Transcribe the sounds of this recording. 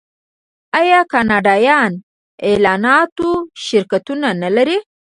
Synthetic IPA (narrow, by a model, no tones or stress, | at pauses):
ajɑkɑnɑɖɑjɑn | elɑnɑt̪oʃɪɾkat̪unanalaɾi